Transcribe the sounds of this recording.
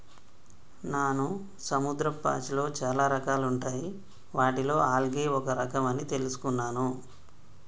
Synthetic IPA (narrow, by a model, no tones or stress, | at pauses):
naːnu | sɐmud̪ɾɐpːa̰ːt͡ʃilo̞ːt͡ʃaːlaːɾɐkaːluɳʈaːji | ʋaːʈilo̞ːaːlɐɡe̞ːɔkɐɾɐkɐmɐnit̪e̞lusu̥kunːaːnu